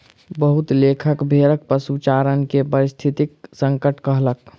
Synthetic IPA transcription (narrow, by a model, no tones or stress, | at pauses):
bəɦut̪lekʰəkbʱeɾək̚pəsut͡ʃaɾənkepəɾist̪ʰit̪ik̚səŋkəʈkəɦlək